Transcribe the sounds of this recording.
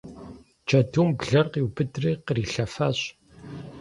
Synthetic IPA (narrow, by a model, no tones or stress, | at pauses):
t͡ʃɐduːmbɮɐrqiwbɨdriːqəriːɬɐfaːɕ